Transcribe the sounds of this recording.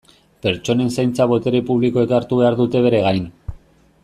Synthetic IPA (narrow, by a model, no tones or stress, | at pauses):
pe̞ɾt͡ʃo̞ne̞nsajnt͡saβo̞t̪e̞ɾepuβliko̞ekaɾt̪uβe̞aɾðut̪e̞β̞e̞ɾe̞ɣ̞ajn